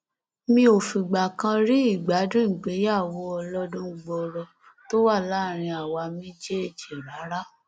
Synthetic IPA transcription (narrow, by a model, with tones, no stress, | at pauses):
mĩ˧˦o˨fĩ˨ɡ͡ba˨kã˧ɾi˦i˦˨ɡ͡ba˨˦dĩ˦˨ɡ͡be˨˦ja˦˨wɔ˧ɔ˧lɔ˦dũ˦ɡ͡bɔ˧ɾɔ˧ | to˦wa˦˨laː˦˨ɾ̃ĩ˧a˨wa˧mĩ˦d͡ʒe˦e˦˨d͡ʒe˨ɾa˨˦ɾa˦